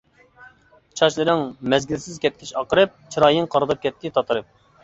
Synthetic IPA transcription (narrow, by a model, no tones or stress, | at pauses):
t͡ʃʰɑʃlˠɨɾɪŋmɛzɡʲilsɪzkʲɛt̪̚kʲʰiʃɑqəɾɨp̚t͡ʃʰiɾɑːjɨŋqʰɑɾɨd̪ɨp̚kʲʰɛt̪ːɪt̪ʰɑt̪ʰɨɾɨp̚